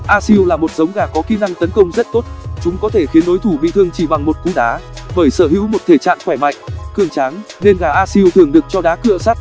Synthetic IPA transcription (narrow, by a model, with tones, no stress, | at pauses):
ʔaː˧si˧wlaː˨˩mo˨˩t̚zə˨˦wŋ͡mɣaː˧˩kɔ˨˦ki˨˦na˧ŋt̪ə˨˦nkə˧wŋ͡mzə˦˥t̚t̪o˦˥t̚t͡ɕʊ˨˦ŋ͡mkɔ˨˦t̪ʰe˧˩xi˨˦ənɗo˨˦jt̪ʰu˧˩ɓḭ˧˨t̪ʰɨ˧əŋt͡ɕi˧˩ɓa˨˩ŋmo˨˩t̚k̪u˨˦ɗaː˨˦ɓəː˧˩jsəː˧˩ɦḭ˧˥wmo˨˩t̚t̪ʰe˧˩t͡ɕa̰ː˧˨nxwɛ˧˩jma̰˧˨jŋ̟kɨ˧˩əŋt͡ɕaː˨˦ŋ | ne˧nɣaː˧˩ʔaː˧si˧əwt̪ɨ˨˩əŋɗɨ˨˩ək̚t͡ɕɔ˧ɗaː˨˦kɨ̰˧˨əsa˦˥t̚